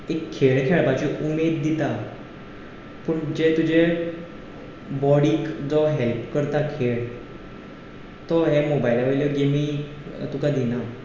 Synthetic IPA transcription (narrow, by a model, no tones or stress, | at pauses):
ekʰːeɭkʰeɭbat͡ɕiʔumed̪ːit̪a | pəɳd͡ʑet̪ud͡ʑe | bɔɽiːkd͡zɔɦelpkəɾt̪akʰeɭ | t̪ɔɦemobailaʋejljɔɡemi | t̪ukad̪ina